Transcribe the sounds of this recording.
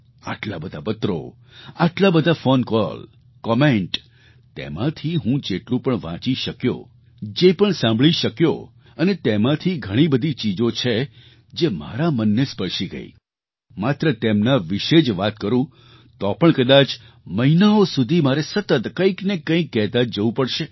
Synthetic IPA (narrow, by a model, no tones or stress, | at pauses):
a̰ʈlabəd̪ʱabət̪ɾo̰ | aʈlabəd̪ʱafonkɔ̰l | kɔmẽɳʈ | t̪ḛmãt̪ʰiɦũd͡ʒeʈlũpəɳʋã̰t͡ʃiʃəkjo̰ | d͡ʒepəɳsãmbʱɭiʃəkjo̰ | ənet̪emãt̪ʰiɡʱəɽ̃ibəd̪ʱit͡ʃid͡ʒot͡ʃʰe | d͡ʒema̰ɾamənːespəɾʃiɡə̰ḭ | mat̪ɾət̪emnaʋiʃed͡ʒʋat̪̚kəɾũ | t̪ɔpəɳkəd̪at͡ʃ | məɦinaosud̪ʱimaɾesət̪ət̪kə̃iknekːə̃ĩkːɛɦt̪ad͡ʒəʋũpəɽʃe